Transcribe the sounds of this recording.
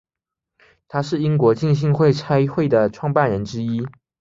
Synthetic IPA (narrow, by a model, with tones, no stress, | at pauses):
t̪ʰa˥ʂɻ̩˥˩i˥ŋkwɔ˧˥t͡ɕi˥˧ŋɕ̬i˥˧ŋxwe˥˩ɪt͡sʰa˥ɪxwe˥˩ɪd̪ə˩ʈ͡ʂʰwɑ˥˧ŋpa˥˩nɻə˧˥nʈ͡ʂɻ̩˥i˥